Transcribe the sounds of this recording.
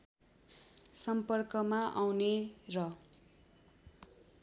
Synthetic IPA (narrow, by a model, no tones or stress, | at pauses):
sʌmpʌrkʌmaʔawnerʌ